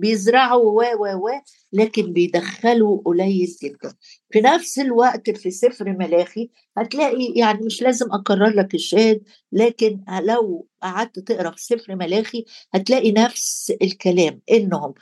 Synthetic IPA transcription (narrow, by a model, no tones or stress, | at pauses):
bejɪzɾˤɑʕuwæːwæːwæː | læːkenbejd̪æxːæluʔlæjːezjɪt̪ːæ | finæfselwæʔt̪fisɪfɾmælæːxi | hæt̪læːʔijaʕnimeʃlæːzɪmʔɑqɑrˤːɑɾˤlækɪʃːæːhd̪̚ | læːkɪnlæwʔaʕad̪̚t̪t̪eʔɾˤɑfi̥sefɾmælæːxihæt̪læːʔinæfsɪlkælæːmʔɪnːhʊm